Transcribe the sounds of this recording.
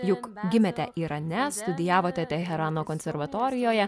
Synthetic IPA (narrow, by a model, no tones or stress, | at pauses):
jʊkɡʲɪmʲɛt̪ʲɛʔiːɾɐnʲɛst̪ʊd̪ʲɪjæːʋoːt̪ʲɛt̪ʲɛɦʲɛɾɑːnoːkɔnʲsʲɛɾʋɐt̪ɔːɾʲɪjoːjɛ